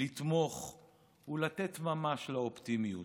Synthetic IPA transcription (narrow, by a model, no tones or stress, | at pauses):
it̪mo̞χ | ulat̪et̪mamaʃlaopt̪imiju